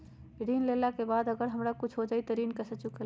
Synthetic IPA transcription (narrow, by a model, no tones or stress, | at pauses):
ɾinlelakebad̪əɡəɾɦəmɾakut͡ʃʰɦod͡ʒait̪əɾinkəsət͡ʃukel